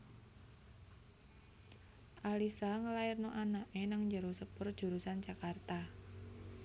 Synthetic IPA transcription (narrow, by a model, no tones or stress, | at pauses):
ʔalisaŋəlaɪrnoʔanaʔenaŋɲd͡ʒəɾosəpʊrd̥ʒ̥ṳɾusant͡ʃakart̪a